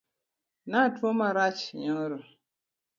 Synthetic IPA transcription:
natuomaɾat͡ʃɲɔŋɾə

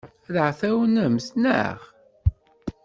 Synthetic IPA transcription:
ðəʕθæwənəmsnæ̰ʁ

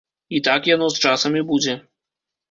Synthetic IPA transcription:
it̪akjanɔst͡ʂasɐmʲibud͡zʲɛ

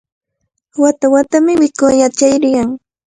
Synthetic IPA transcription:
wat̪awat̪amɪwɪkojat͡ʃajɾɪjaŋ

